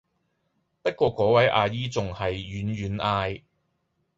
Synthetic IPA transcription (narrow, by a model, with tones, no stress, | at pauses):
pɐ˥t̚kʷɔː˧kɔː˨˥wɐ˨˥jʔaː˨˧jiː˥t͡sʊ˨ŋhɐ˨jːyː˨˥nɥyː˨˥nʔaː˧j